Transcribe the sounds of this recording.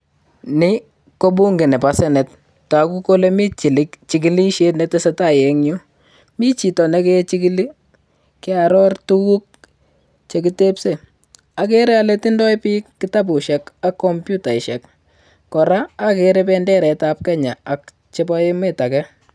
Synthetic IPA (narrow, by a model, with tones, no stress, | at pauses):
nɪ˦ | ko˦bu˦ŋɡe˨nɛ˨pasɛ˦nɛ˨t | ta˨ku˦ko˦le˦mi˦t͡ʃi˨li˦kt͡ʃi˦k̬i˨li˦ʃe˦tnɛ˨tɛ˦sɛ˦ta˦˨jɛ˨ŋɲu˦ | mi˦t͡ʃi˨tɔ˨nɛ˨˦ke˦t͡ʃi˦ki˦li˦ | kɪ˦a˨ɾɔ˦rtu˦ɣu˦k̚ | t͡ʃe˨k̬i˦te˦pse˦ | a˨k̬e˦ɾɛ˦alɛ˦ti˦ndɔ˦jpi˦kːɪ˦ta˦bu˨ʃɛ˨ka˦kːɔ˦mpju˦ta˨ɪ˨ʃɛ˨k | kɔ˨ɾaː˦keɾe˦pɛ˦ndɛ˦ɾɛ˨ta˦p̚kɛ˦ɲa˨a˨k | t͡ʃe˦ba˦je˦me˦ta˨kɛ˦